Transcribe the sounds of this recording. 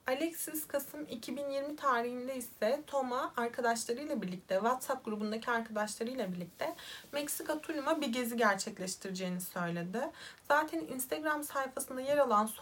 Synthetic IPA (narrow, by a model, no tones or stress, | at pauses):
alʲɛcsiskʰasɯmicʰibinjiɾmit̪ʰaːɾihind̪ɛisɛt̪ʰo̞maːɾkʰad̪aʃlˠaɾɯjlˠabiɾlʲic̚t̪ʰɛvat̪sap̚ɡuɾubund̪acʰiaɾkʰad̪aʃlˠaɾɯjlˠabiɾlʲic̚t̪ʰɛmɛcsikat̪ʰulʲumabiɟeziɟæɾt͡ʃʰɛclʲɛʃt̪ʰiɾid͡ʒejːnisø̞jlʲe̞d̪ɪz̥aːt̪ʰæninst̪ʰeɡɾamsajfasɯnd̪ajeɾalˠans